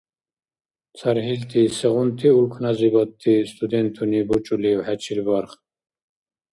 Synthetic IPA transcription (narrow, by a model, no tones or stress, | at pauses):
t͡sʰaɾɦilt̪ʰisɛʁunt̪ʰiulkʰnazibɔt̪ʰːist̪ʼud̪ɛnt̪ʰunibut͡ʃʼuliwħat͡ʃʰilbɔɾχ